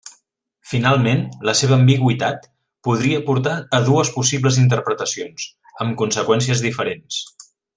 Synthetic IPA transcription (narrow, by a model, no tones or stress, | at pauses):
finalˠmenləseβəːmbiɣ̞wit̪at̪ | puðɾiəpuɾt̪aəðuəspusiβləzint̪̬əɾpɾət̪əsions | əmkunsəkwɛns̬iəzðifəɾens